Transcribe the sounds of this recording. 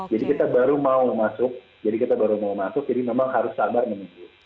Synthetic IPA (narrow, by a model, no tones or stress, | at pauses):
d͡ʒadikit̪abaɾumaumasʊk̚ | d͡ʒadikit̪abaɾumaumasʊk̚d͡ʒadimemaŋhaɾʊsːadarmənid͡ʒu